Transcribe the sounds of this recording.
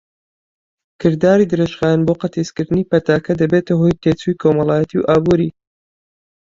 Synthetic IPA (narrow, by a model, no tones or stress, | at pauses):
kʰɨɾd̪aːɾiːd̪ɨɾeʃχaːjanboqɐt̪ʰeskɨɾd̪ɨniːpɐt̪aːkɐd̪ɐbeːt̪ɐɦoːjt̪ʰeːt͡suːjkʰomɐlˠaːjɛt̪ʰiwʔaːbuːɾiː